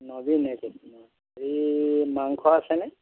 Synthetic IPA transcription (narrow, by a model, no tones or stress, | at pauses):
nɔbinɛkina | ɹimaŋkʰɔasɛnɛ